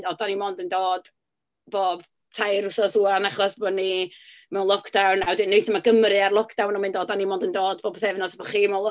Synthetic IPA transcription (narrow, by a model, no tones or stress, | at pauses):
dɔdanimɔndəndoːd̥ | b̥oːb̥ | tʰajɾʊsɔθuːanaχɔsb̥ɔni | mɛwnlˠɔkʰd̥awnadɨnːejθɔmaɡəmɾɨarlˠɔkʰd̥awnɔmɪ̃ndoːdanimoːndəndoːd̚b̥oːbθɛvnɔsbɔχiːmɛlˠ